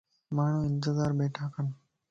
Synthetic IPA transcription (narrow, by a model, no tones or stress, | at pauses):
maːɳ̤ũːɪnt̪ɪzaːɾbeːʈʰaːkən